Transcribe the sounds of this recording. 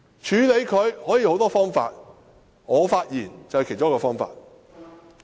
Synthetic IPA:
t͡ʃʰyː˨˧le˨˧jkʰɵ˨˧ɥhɔː˨˥ji˨˧ho˨˥wt̪ɔː˥fɔː˥ŋfa̰ː˧t̚ | ŋɔː˨˧faː˧t̚jiː˨˩nt͡sɐ˨whkʰe˨˩jt͡ʃo˥kɔː˧fɔː˥ŋfa̰ː˧t̚

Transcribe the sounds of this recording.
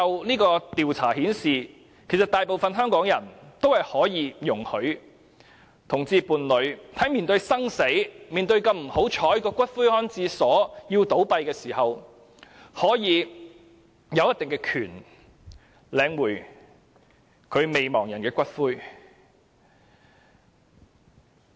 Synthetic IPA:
ɐ˨wniː˥kɔː˧t̪iː˨wt͡sʰaː˨˩hiː˨˥nsiː˨ | kʰe˨˩jsɐ˨t̪aː˨jpo˨wfɐ˨˧nɦœː˥ŋkɔː˨˥ŋjɐ˨˩nt̪o˥whɐ˨jhɔː˨˥jiː˧jʊ˨˩ŋhɵ˨˧ɥ | t̪ʰʊ˨˩ŋt͡siː˧puː˨˩nlɵ˨˧ɥt̪ʰɐ˨˥jmiː˨nt̪ɵ˧ɥsɐ˥ŋse˨˥jmiː˨nt̪ɵ˧ɥkɐ˧mm̩˨˩ho˨˥wt͡ʃʰɔː˨˥jkɔː˧kʷɐ˥t̚fuː˥jhɔː˥nt͡siː˧sɔː˨˥jiː˧wt̪o˨˥wpɐ˧jkɛː˧siː˨˩hɐ˨w | hɔː˨˥jiː˨˧ | jɐ˨˧wjɐ˥t̪ɪ˨ŋkɛː˧kʰyː˨˩n | lɛː˨˧ŋwuː˨˩j | kʰɵ˨˧ɥme˨jmɔː˨˩ŋjɐ˨˩nkɛː˧kʷɐ˥t̚fuː˥j

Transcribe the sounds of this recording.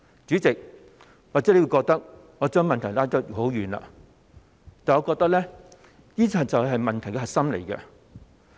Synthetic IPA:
t͡syː˨˥t͡sɪ˨k̚ | waː˨ɛ˨˥e˨˧wu˧kɔː˧k̚t̪ɐ˥k̚ | ŋɔː˨˧t͡ʃœː˥ŋmɐ˨nt̪ʰjlaː˥tɔ˥t̚ho˨˥wjyː˨nla̰ː˧ | t̪aː˨nŋɔ˨˧kɔː˧k̚t̪ɐ˥k̚lɛː˥ | jiː˥t͡sʰɐ˨t̚t͡sɐ˨wɦɐ˨jmɐ˨nt̪ʰɐ˨˩jkɛ˧ɦɐ˨k̚sɐ˥mlḛ˨˩jkɛ̰˧

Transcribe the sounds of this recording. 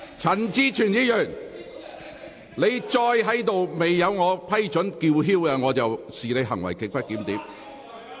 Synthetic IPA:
t͡sʰɐ˨˩nt͡siː˥t͡ʃʰyː˨˩njiː˧˥jœː˨˩ŋ | ne˨˧jt͡sɔː˧jɦɐ˨˥jt̪o˨wme˨jːɐ˨˧wŋɔː˨˧pʰɐ˥jt͡ʃɵ˨˥nkiː˧wɦiː˥wkɐː˧ŋɔː˨˧t͡sɐ˨wsiː˨ne˨˧jɦɐ̰˨˩ŋwɐ˨˩jkɪ˨k̚pɐ˥t̚kiː˨˥mt̪iː˨˥m

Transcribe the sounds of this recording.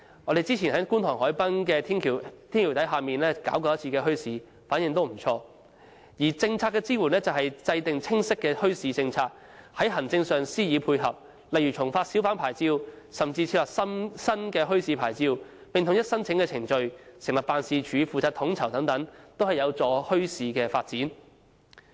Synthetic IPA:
ŋɔː˨˧ɾe˨jt͡siː˥t͡sʰi˨˩nɦɐ˨˥jkuː˥nt̪ʰɔː˨˩ŋhɔː˨˥jpɐ˥nkɛː˧t̪ʰːi˨˩t̪ʰi˥nkʰi˨˩t̪ɐ˨˥jɦaː˨miː˨nlɛː˥ka̰ː˨˥wkɔː˧j̚t͡sʰiː˧kɛː˧ɦɵ˥ɥsiː˨˧ | faː˨˥njɪ˨ŋt̪o˥wm̩˨˩t͡ʃʰɔː˧ | jiː˨˩t͡sɪ˧ŋt͡sʰaː˧tkːɛ˧t͡siː˥wu˨˩nɛː˥t͡sɐ˨wɦɐ˨jt͡sɐ˧jt̪ɪ˨ŋt͡sʰɪ˥ŋsɪ˥kːɛː˧hɵ˥ɥsiː˧t͡sɪ˧ŋt͡sʰaː˧t̚ | hɐ˨˥jɦɐ˨˩nt͡sɪ˧ŋsœː˨ŋsiː˥jiː˨˧pʰuː˧jɦɐ˨p̚ | lɐ˨jɥyː˨˩t͡sʰʊ˨˩ŋfaː˧t̚si˨˥wfaː˨˥npʰaː˨˩jt͡siː˧w | sɐ˨mt͡si˧t͡sʰi˧p̚lɐː˨˩sɐ˥sɐ˥nkɛː˧ɦɵ˥ɥsiː˧pʰaː˨˩jt͡siː˧w | pɪ˨ŋt̪ʰʊ˨ŋjɐ˥t̚sɐ˥nt͡sʰɪ˨˥ŋkɛː˧t͡sʰɪ˨˩ŋt͡ʃɵ˧ɥsɪ˨˩ŋlɐ˨˩p̚aː˨˧nsiː˨˧t͡ʃʰyː˨˧˥fuː˨t͡saː˧t̚t̪ʰʊ˨˥ŋt͡sʰɐ˨˩wt̪ɐ˨˥ŋt̪ɐ˨˥ŋt̪o˥whɐ˨jɐ˨˧wt͡sɔː˨˧hɵ˥ɥsiː˨˧kɛː˧fa̰ː˧t̚t͡siː˨˥n

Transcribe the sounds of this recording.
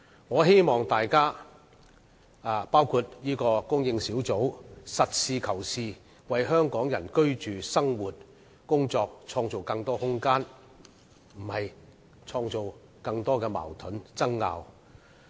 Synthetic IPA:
ŋɔː˨˧ɦe˥jmɔː˨˩ŋt̪aː˨jkaː˥ | aː˨˧paː˥wkʰu˧t̚jiː˥kɔː˧kʊ˥ŋjɪ˧ŋsiː˨˥wt͡so˨˥wsɐ˨t̚siː˧kʰɐ˨˩wsiː˨˧ | wɐ˨jɦœː˥ŋkɔː˨˥ŋjɐ˨˩nkɵ˥ɥt͡ʃyː˨sɐ˥ŋwuː˨t̚ | kʊ˥ŋt͡sɔː˧k̚t͡sʰɔː˧ŋt͡so˨wkɐ˧ŋt̪ɔː˥hʊ˥ŋkaː˥n | m̩˨˩hɐ˨j | t͡sʰɔː˧ŋt͡so˨w | kɐ˧ŋt̪ɔː˥kɛː˧ma̰ː˨˩wt̪ʰɵ˨˥nt͡sɐ˥ŋːa̰ː˧w

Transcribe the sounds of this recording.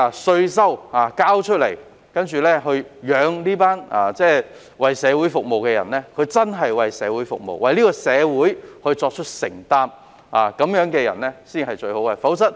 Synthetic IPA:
a˨˧sɵ˧ɥsɐ˥waː˨˩kaː˥wt͡ʃʰɵ˥t̚lḛ˨˩j | kɐ˥nt͡ʃyː˨˩lɛː˥hɵ˧ɥjœː˨˧ŋliː˥paː˥na̰ː˨t͡sɛː˥˩ | wɐ˨jsɛː˨˧wuː˨˥jfʊ˨k̚mo˨wkɛː˧jɐ̰˨˩nɛː˥kʰɵ˨˧t͡sɐ˥nɦɐ˨jwɐ˨jsɛː˨˧wuː˨˥jfʊ̰˨k̚mo̰˨wwɐ˨jliː˥kɔː˧sɛː˨˧wuː˨˥jhɵ˧ɥt͡sɔː˧k̚t͡ʃʰɵ˥t̚sɪ̰˨˩ŋt̪aː˥m | aː˨˩kɐ˨˥mjœː˨˥ŋkɛː˧jɐ̰˨˩nɛː˥siː˥˩nhɐ˨jt͡ʃɵ˧ɥho˨˥wkɛ˧˩fɐ˨˥wsɐ˥t̚

